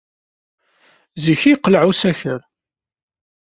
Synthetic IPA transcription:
ziçijqːlʕusæçəɾ

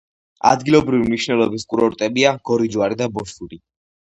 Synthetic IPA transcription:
a̰d̪ɡilˠɔbɾivimniʃnɛlˠɔbiskʼuɾɔɾt̪ʼɛbiaɡ̥ɔɾid͡ʒwaɾid̪abɔʃuɾi

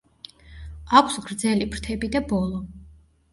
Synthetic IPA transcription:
akʷʰsɡɾd̪zɛlibɾt̪ʰɛbid̪abɔlˠɔ

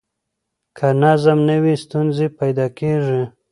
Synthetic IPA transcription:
kʰanazamnəwist̪unzepajd̪ɑkeʐi

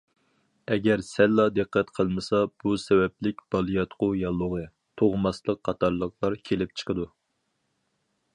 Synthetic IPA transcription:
ɛɡʲɛɾsɛlːɑd̪ɨqːɛt̪qʰəlˠmɨsɑb̥usɛwɛp̚lɪk̚ʲb̥ɑlˠɨjɑt̪qʊjɑlˠːʊʁɨ | t̪ʰoʁəmɑslˠəqʰːɑt̪ʰɑɾlˠəqlˠɑɾkʲʰelɪp̚t͡ʃʰə̥qʰəd̪u

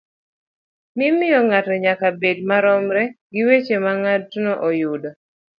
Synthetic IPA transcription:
mɪmɪjɔŋatɔɲakabedmaɾɔmɾɛɡɪwet͡ʃemaŋatnɔʔojudɔ

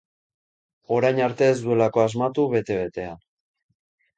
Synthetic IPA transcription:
o̞ɾajɲaɾt̪e̞ːzd̪ue̞lako̞azmat̪uβe̞t̪e̞βe̞t̪e̞a

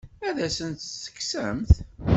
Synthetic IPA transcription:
æðæsənt̪sə̥kːsæmθ

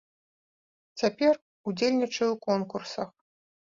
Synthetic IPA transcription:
t͡sʲapʲɛr | ud͡zʲelʲnʲit͡ʂɐjukɔnkursɐx

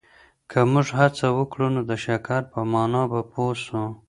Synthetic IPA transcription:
kʰəmʊʐhat͡sawəkɽunod̪əʃakaɾpəmɑnɑbaposu

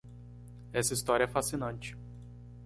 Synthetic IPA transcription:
ɛsɐist̪ɔɾʲiɐɛfasinɐ̃nt͡ʃɪ̥

